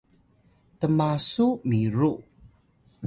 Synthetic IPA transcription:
t̪əmasuʔmiɾu

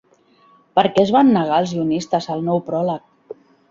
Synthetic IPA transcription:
pəɾkɛzβanːəɣaəlˠzʒiunist̪əzəlˠnɔwpɾɔlək̚

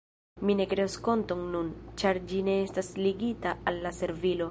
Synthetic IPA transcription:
mine̞kɾe̞usko̞nto̞ŋnunt͡ʃaɾd͡ʒine̞estasliɡitaalːase̞ɾvilo̞

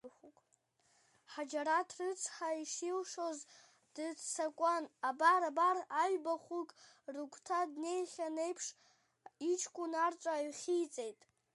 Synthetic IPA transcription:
χukʼ | ħad͡ʒaɾatʰrɨt͡sʰħaiʂilʂo̞z | d̥ɨsakʷʼanabaɾabaraɥbaχukʼ | rɨkʷʰtʰadne̞jχʲane̞jpʰʂ | it͡ʃʰkʷʼunart͡ʃʷʼaːɥχʲijt͡sʼe̞jtʼ

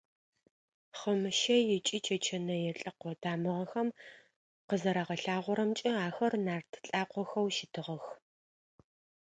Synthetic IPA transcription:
χəmɨʃɐjɛt͡ʃʼit͡ʃʰɐt͡ʃʰɐnɐjɛɬʼɐqʷɔtʰaːmɨʁɐxɐm | qəzɐɾaʁɐɬaːʁʷɔɾɐmt͡ʃʼɐaːxɐrnaːrtʰɬʼaːqʷɔxɐwʃɪtʰɨʁɐx

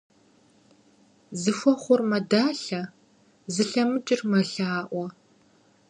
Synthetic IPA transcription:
zɨxʷɔχʷʊrmɐdaːɬɐ | zɨɬɐmɨt͡ʃʼɪrmɐɬaːʔʷɔ

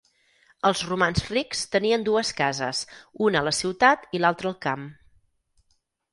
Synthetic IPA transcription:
əlˠzrumanzrikst̪əniənd̪uəskazə̰sunələsiwt̪at̪ilalˠt̪ɾəːlˠkam

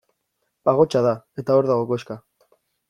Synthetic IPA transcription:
aɣ̞o̞t͡ʃaðae̞t̪ao̞ɾðaɣ̞o̞koeska

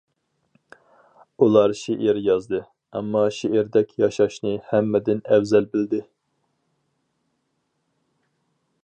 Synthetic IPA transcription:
ulˠɑɾʃeʔiɾjɑzd̪ɨ | ɑ̰mːɑʃeʔiɾd̪ɛkʲjɑʃɑʃnɨhɛmːɛd̪ɪnɛwzɛlbɪld̪ɪ

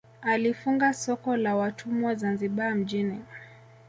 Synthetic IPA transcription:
alifuŋɡasɔkɔlawatʰumuwazanziɓam̩d͡ʒini

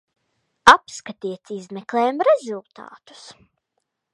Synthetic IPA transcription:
apskat̪iɛt̪sizmɛklˠɛːjamɾɛzulˠt̪a̰ːt̪u̥s

